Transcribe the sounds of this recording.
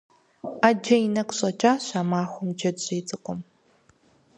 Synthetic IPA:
aːd͡ʒɐjɪnɐqʷɕʼɐt͡ʃʼaːɕaːmaːxʷʊmd͡ʒɐdɕiːt͡sʼɨqʷʼʊm

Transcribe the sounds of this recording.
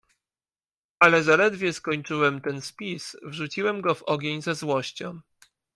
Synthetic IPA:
alɛzalɛd̪vʲjɛskɔɲt͡ʂɘwɛmt̪ɛnspʲisvʐut͡ɕiwɛmɡɔvɔɡʲjeɲzazwɔɕt͡ɕɔ̃m

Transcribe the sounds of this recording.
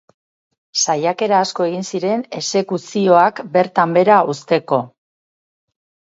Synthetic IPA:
sajake̞ɾaːsko̞e̞ɣ̞insiɾe̞ne̞se̞kusio̞akbe̞ɾt̪ambe̞ɾaust̪e̞ko̞

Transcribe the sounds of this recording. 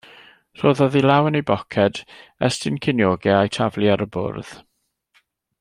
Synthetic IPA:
r̥oːðɔðilawənejbɔkʰɛdɛstɪnkʰɪnjoːɡɛajtʰavliaɾəbʊ̰rð̥

